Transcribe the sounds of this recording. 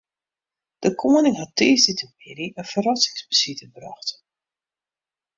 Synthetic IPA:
d̥əkʰoːənɪŋɦɑtːeːzditəmpɪɾiʔənfərɑsɪ̥ŋsbəsitəbrɑ̰xt

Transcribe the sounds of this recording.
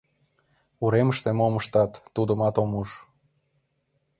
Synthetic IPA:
uɾeməʃt̪emoməʃt̪ɑt̪ːud̪əmɑt̪omuʃ

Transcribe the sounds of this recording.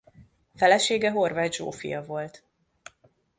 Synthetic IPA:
fɛlɛʃeːɡɛɦo̞rvaːd̪ʒo̰ːfḭjɒvo̞lt̪

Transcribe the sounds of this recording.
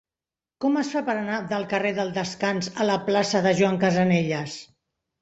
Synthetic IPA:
kɔməsfapəɾənaðəlˠkəreðəlˠd̪əskanzələplasəðəʒuwaŋkəzəneʎəs

